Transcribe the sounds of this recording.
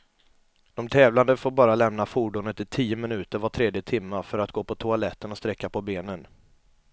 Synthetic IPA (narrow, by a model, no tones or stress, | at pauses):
d̪̥ɔmt̪ʰɛːvland̪əfoːɾbɑːɾalɛmnafuːɖʊnət̪ɪt̪ʰiːəmɪnʉ̟ːt̪əɾvaʈʰɾeːd̪jət̪ʰɪmːafœɾat̪̚ɡoːpʰɔt̪ʰʊalɛt̪ːənɔst̪ɾɛkːapʰɔbeːnən